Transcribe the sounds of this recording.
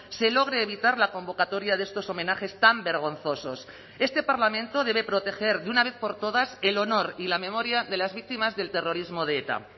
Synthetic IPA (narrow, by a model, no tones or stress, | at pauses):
se̞lo̞ɣ̞ɾeːβ̞it̪aɾlako̞mbo̞kat̪o̞ɾjaðest̪o̞so̞me̞naxe̞st̪ambe̞ɾɣ̞o̞nθo̞so̞̰s | e̞st̪e̞paɾlamẽ̞nt̪o̞ðe̞β̞e̞pɾot̪e̞xe̞ɾðunaβ̞e̞θpo̞ɾt̪o̞ð̞ase̞lo̞no̞ɾilame̞mo̞ɾjaðe̞lazβik̚t̪imazðe̞lt̪e̞ro̞ɾizmo̞ðeet̪a̰